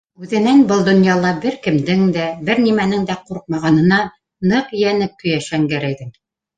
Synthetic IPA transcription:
ʉðɘ̆nænbɤlˠd̪ŏnjɑlˠɑbɘɾkɘ̆md̪ɘŋd̪æbɘɾnimænɘŋd̪æquɾq̚mɑʁɑnɤ̆nɑ | nɤqjænɘp̚kɵ̆jæʃæŋɡæɾæjd̪ɘm

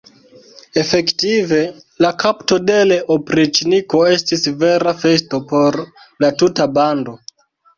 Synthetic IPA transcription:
e̞fe̞ktive̞ | lakʰapto̞de̞leʔopɾit͡ʃniko̞estisve̞ɾafe̞sto̞po̞ɾ | latutabando̞

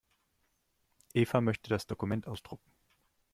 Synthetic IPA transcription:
ʔeːfamœçtədasd̥okumɛntʔaʊsd̥ʁʊkŋ̩

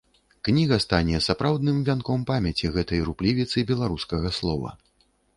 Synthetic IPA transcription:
knʲiɣɐst̪anʲɛsapɾawd̪nɨmvʲankɔmpamʲɐt͡sʲiɣɛt̪ɐjɾuplʲivʲit̪sɨbʲɛlˠaɾuskɐɣɐslˠɔvɐ̰

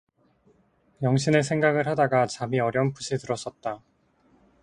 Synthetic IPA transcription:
jʌŋɕʰine̞s̬ʰe̞ŋɡaɡɯɭhadaɡat͡ɕamiʌɾjʌnpuɕʰitɯɾʌs͈ʌt̚t͈a

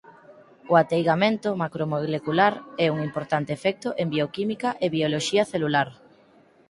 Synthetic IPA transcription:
ʊat̪ejɣamẽnt̪ʊmakɾomolekulaɾɛuŋimpoɾt̪ant̪ɪefɛk̚t̪ʊʔembiokimikɐʔeβioloʃiɐθelulaɾ

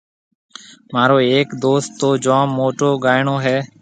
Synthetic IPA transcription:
maːɾoːeːkd̪oːst̪ːoːd͡ʒãːmːoːʈoːɡaːɪɳoːɦɛː

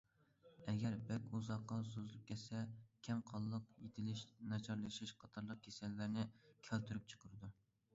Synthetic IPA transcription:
ɛɡʲɛɾbɛkʲuzɑqːɑs̬ozɨlˠɨp̚kʲʰɛt̪sɛkʲʰɛmqʰɑlˠːəqjet̪ʰɪlɪʃnɑt͡ʃʰɑɾlˠɨʃiʃqʰɑt̪ʰɑɾlˠəq̚kʲʰesɛlːæɾnɪkʲʰælt̪ʰyɾyp̚t͡ʃʰə̥qʰəɾɨd̪u

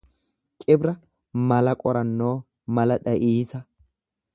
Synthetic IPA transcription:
t͡ʃʼɪbɾɐ | mɐlɐkʼɔɾɐnːo̞ː | mɐlɐᶑɐʔiːsɐ

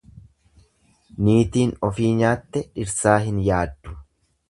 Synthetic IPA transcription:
niːt̪iːnɔfiːɲaːt̪ːɛᶑɪɾsaːɦɪnjaːd̪ːʊ̥

